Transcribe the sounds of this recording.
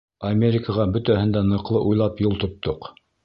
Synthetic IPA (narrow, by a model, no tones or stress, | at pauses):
ɐmʲeɾʲɪkəʁɑbɵ̆t̪æhɘ̆nd̪ænɤ̆qlˠɤʔujlˠɑpjulˠt̪ŏt̪ːoq